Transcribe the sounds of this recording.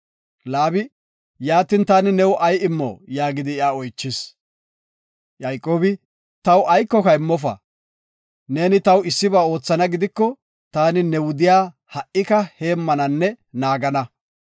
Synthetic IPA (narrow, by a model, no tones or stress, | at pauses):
laːbɪ | jaːt̪ɪnt̪aːnɪnɛwʔɐjɪmːɔ̰jaːɡɪd̪ɪɪaɔjt͡ʃːɪs | jɐjkʼːo̞ːbɪ | t̪ɐwʔɐjkːɔkɐɪmːɔf̬ɐ̰ | ne̞ːnɪt̪ɐwɪsːɪbaːo̞ːt͡sːɐnɐɡɪd̪ɪkːɔ | t̪aːnɪnɛwʊd̪ɪjaː | hɐʔɪkɐhe̞ːmːɐnɐnːɛ | naːɡɐnɐ